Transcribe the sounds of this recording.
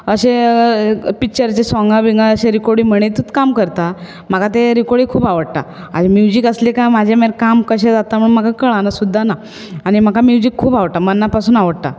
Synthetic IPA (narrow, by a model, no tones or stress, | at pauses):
əɕe | pikt͡ɕəɾt͡ɕesãŋɡabiŋɡaəɕeɾikoɽiːm̤əɽ̃et̪ut̪kamkəɾt̪a | m̤akat̪eɾikoɽiːkʰuːpaʋəɽt̪a̰ | a̰d͡ʑemjud͡ʑikəslekamad͡ʑʱemeɾkamkəɕẽd͡zat̪am̤əɳm̤akakəɭanasud̪ʱːana | aɽ̃im̤akamjud͡ʑikʰːuːbaʋəɽʈ̪amənːapasuːnaʋəɽt̪a̰